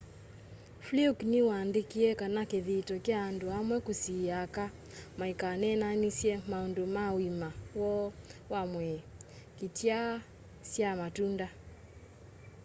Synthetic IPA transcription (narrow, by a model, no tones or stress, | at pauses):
fliukniwaːndikiɛkanakeðitɔkjaːndoamwɛkusiaka | maikanɛnanisjɛmaɔndomawimawɔwamwɛ | kitja | sjamatunda